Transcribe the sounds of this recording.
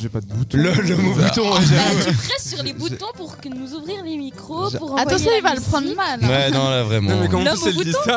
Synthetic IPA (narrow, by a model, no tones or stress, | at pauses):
ʒepad̪əbut̪lɔlɔmobut̪ɔ̃ɛʒapχɛsyʁlebut̪ɔ̃puʁkənuzuvʁiʁlemikχopuʁɑ̃avw̪ɑ̃sjɔ̃ilvaləpχɑ̃d̪ʁəmalwɛnɔ̃lavʁɛmɑ̃mɛkɔ̃lɔsɛlut̪is